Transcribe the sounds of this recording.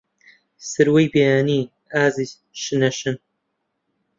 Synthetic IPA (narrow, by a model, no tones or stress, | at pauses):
sɨɾwejbeːjaːniː | aːziːz | ʃɨnɐʃɨn